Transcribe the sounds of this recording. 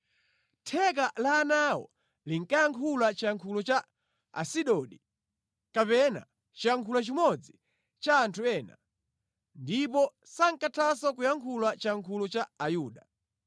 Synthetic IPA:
tʰɛk̬alaːnawɔ̰ | liŋ̩kajaŋkʰulat͡ʃijaŋkʰulɔt͡ʃa | a̰siɗɔɗi | kapɛna̰ | t͡ʃijaŋkʰulat͡ʃimɔd͡zi | t͡ʃaːntʰuɛːna̰ | ndipɔ | saŋkatʰasakujaŋkʰulat͡ʃiaŋkʰulɔt͡ʃaajuːɗa

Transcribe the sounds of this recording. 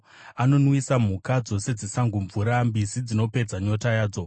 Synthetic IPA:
ano̞nwisam̤ukad͡zo̞se̞d͡zisaŋɡuɱvuɾambisid͡zino̞pe̞d͡zaɲo̞tajaːd͡zo̞

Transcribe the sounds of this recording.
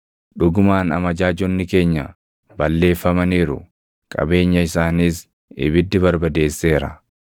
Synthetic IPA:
ᶑʊɡʊmaːnɐmɐd͡ʒaːd͡ʒɔnːɪke̞ːɲːɐ̰ | bɐlːe̞ːfːɐmɐniːɾʊ̰ | kʼɐ̰be̞ːɲːɐɪsaːniːs | ɪ̰bɪd̪ːɪbɐɾbɐd̪e̞ːsːeːɾɐ̰

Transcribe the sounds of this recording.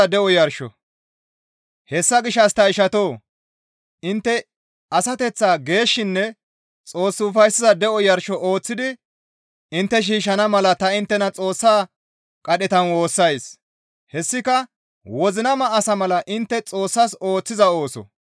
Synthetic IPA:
ɐd̪ɛʔɔjɐɾʃɔ̰ | hɛsːɐɡɪʃːɐst̪ɐɪʃɐt̪o̞ː | ʔɪnt̪ːɛ | ɐsɐt̪ɛt͡sːaːɡe̞ːʃːɪnːɛ | t͡sʼo̞ːsːɪʊfɐjsɪzɐd̪ɛʔɔjɐɾʃɔʔoːt͡sːɪd̪ɪ | ɪnt̪ːɛʃ̬iːʃɐnɐmɐlɐt̪ɐɪnt̪ːɛnɐt͡sʼo̞ːsːaː | kʼɐɗɛt̪ɐnwo̞ːsːɐjs | hɛsːɪkɐ | wɔzɪnɐmɐʔːsɐmɐlɐʔɪnt̪ːɛt͡sʼo̞ːsːɐso̞ːt͡sːɪzɐo̞ːsɔ̰

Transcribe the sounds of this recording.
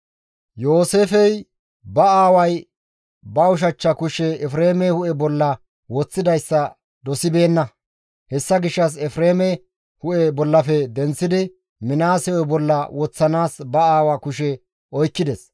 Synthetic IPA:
jo̞ːse̞ːfɛj | bɐaːwɐj | bɐʊʃ̬ɐt͡ʃːɐkʊʃɛɛfɾeːmɛhʊʔɛbɔlːɐ | wɔt͡sːɪd̪ɐjsːɐ | d̪ɔsɪbe̞ːnːɐ | hɛsːɐɡɪʃːɐs̬ɛfɾeːmɛ | hʊʔɛbɔlːɐfɛd̪ɛnt͡sːɪd̪ɪ | mɪnaːsɛwɔjbɔlːɐwɔt͡sːɐnaːsbɐaːwakʊʃɛ | ɔjkːɪd̪ɛs

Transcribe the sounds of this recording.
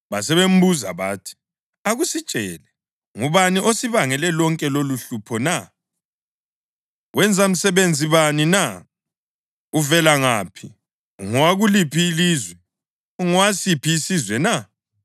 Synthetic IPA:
βasɛβem̩buza̰βaːtʰi̥ | aɣusit͡ʃʼɛːlɛ | ŋuβaniʔosiβaŋɛlɛlɔŋkʼɛloluɬupʰɔna | wɛnd͡zʱam̩sɛβend͡zʱiβanina | uvɛlaŋa̰ːpʰi | ŋɔwaɣulipʰiːlizwɛ | uŋɔwasipʰiːsizwɛna

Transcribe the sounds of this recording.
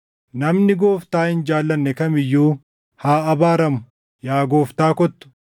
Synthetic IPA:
nɐmnɪɡoːft̪aːhɪnd͡ʒaːlːɐnːɛkɐmɪjːuː | haːɐbaːɾɐmʊ̥ | jaːɡoːft̪aːkɔt̪ːʊ̥

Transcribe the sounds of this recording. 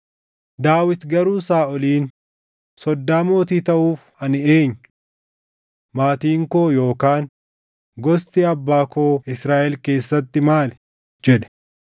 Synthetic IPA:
d̪aːwɪt̪ɡɐɾuːsaːʔɔliːn | sɔd̪ːaːmo̞ːt̪iːt̪ɐʔuːf | ɐnɪeːɲːʊ | maːt̪iːŋkoːjo̞ːkaːŋ | ɡɔst̪iɐbːaːkoːɪsɾaːʔɛlke̞ːsːɐt̪ːɪmaːl | d͡ʒɛᶑɛ̥

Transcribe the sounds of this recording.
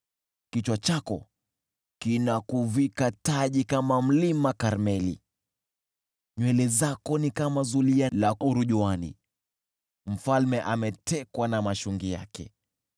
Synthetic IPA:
kit͡ʃwat͡ʃakɔ̰ | kinakuvikataʄikamam̩limakaɾmɛlḭ | ɲwɛlɛzakɔnikamazulialauɾuʄuanḭ | m̩falmɛʔamɛtʰɛkwanamaʃuŋɡija̰kɛ̰

